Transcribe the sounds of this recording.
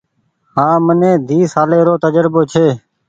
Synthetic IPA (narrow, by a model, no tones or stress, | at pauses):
ɦãːmənẽːd̪ʱiːsaːleːɾoːt̪əd͡ʒəɾboːt͡ʃʰeː